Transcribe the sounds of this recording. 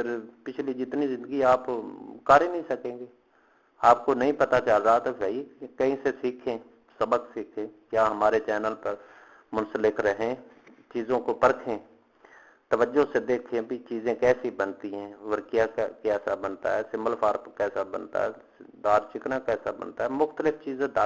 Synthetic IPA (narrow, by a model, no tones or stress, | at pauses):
pɪɾpɪt͡ʃʰlid͡ʒɪt̪nizɪ̃nd̪əɡiaːpkaːɾenəɦĩsəkẽːɡeː | aːp̚konɐɦĩpət̪at͡ʃəlɾaːt̪obɛikəɦĩsesiːkʰẽː | səbəksiːkʰẽːkjaːɦəmaːɾet͡ʃɛːnəlpəɾ | mʊnsəlɪkɾəɦẽː | t͡ʃiːzõkopəɾkʰẽː | t̪əʋəd͡ʒosed̪eːkʰẽbʱit͡ʃiːzẽkɛːsibənt̪iɦɛ̃ːʋəɾkjakɛːsabənt̪a̰ɦɛːsɪmbəlpʰaːɾpkɛːsabə̰nt̪a̰ɦɛː | d̪aːɾt͡ʃɪknakɛːsabə̰nt̪aɦɛːmʊxt̪əlɪfʰt͡ʃiːzẽd̪a